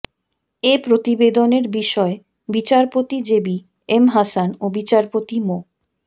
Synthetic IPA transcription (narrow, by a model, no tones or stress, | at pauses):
epɾot̪ibed̪oneɾbiʃɔe | bit͡ɕaɾpot̪id͡ʑebi | emɦasanobit͡ɕaɾpot̪imo